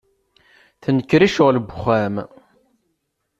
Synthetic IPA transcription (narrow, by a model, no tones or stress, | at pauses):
θənəkːɾiʃʊʁləbχæm